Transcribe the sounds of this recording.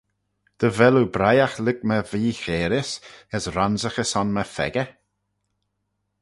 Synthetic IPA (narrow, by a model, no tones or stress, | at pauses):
d̪̥əvɛlubɾajaxlɪɡməviːxeːɾɪsəsɾanzəxəsɔnməfɛ̰ɡə